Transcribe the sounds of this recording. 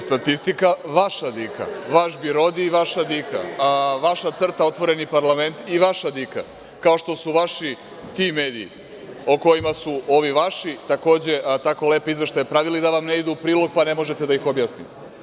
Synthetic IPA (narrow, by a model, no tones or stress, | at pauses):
st̪at̪ist̪ikaʋaʃad̪ikʰa̰ʋaʃbiɾo̞d̪iːʋaʃad̪ika̰ʋaʃat̪sr̩t̪ao̞t̪ʋo̞ɾe̞nipaɾlˠame̞nt̪iʋaʃad̪ika̰ | kao̞ʃt̪o̞suʋaʃi | t̪ime̞ːd̪iḭ | oko̞imasuo̞ʋiʋaʃit̪ako̞ːd͡ʑe̞t̪ako̞le̞ːpoizʋeʃt̪ajepɾaʋilid̪aʋamne̞id̪upɾiːlo̞ɡ̚pane̞mo̞ʒet̪ed̪aixo̞bjasnḭt̪e